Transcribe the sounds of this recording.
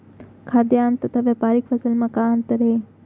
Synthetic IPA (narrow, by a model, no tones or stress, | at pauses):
kʰaːd̪jant̪ət̪ʰaʋapaːɾikfəsəlmãkãənt̪əɾe